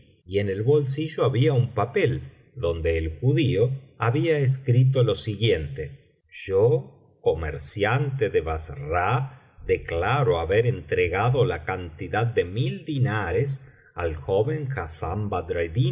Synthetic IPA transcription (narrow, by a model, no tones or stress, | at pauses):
iene̞lβo̞ls̬iʒoaβiaumpapel | d̪o̞nd̪e̞ːlxuðioaβiaes̬kɾit̪̬olo̞siɣje̞nt̪e | ʒ̥o | komḛɾsjant̪eðeβasra | d̪e̞klaɾoaβeɾent̪ɾeɣaðo̞lakant̪iðaðːe̞mild̪inaɾes | a̰lxoβeŋxasambad̪ɾajði